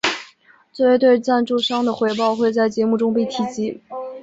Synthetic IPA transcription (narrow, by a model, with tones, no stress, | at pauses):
t͡se˥˧e˥˧t̪we˥˧ɪt͡sa˥˧nʈ͡ʂu˥˧ʂɑ˥ŋd̪ə˨xwe˧˥ɪpɑ˥˧ʊxwe˥˧ɪt͡sa˥˩ɪt͡ɕjɛ˧˥mu˥˩ʈ͡ʂʊ˥ŋpe˥˩ɪt̪ʰi˨˩t͡ɕi˧˥